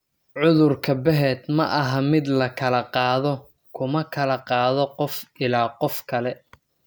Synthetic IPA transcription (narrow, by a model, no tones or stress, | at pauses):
ʕʊðʊrkʰɐbɛɦɛːd̪mɐʔɐɦɐmɪd̪lɐkʰɐlɐqɑːðɔ | kʰʊmɐkʰɐlɐqɑːðɔqɔfɪlaːqɔfkʰɐlɛ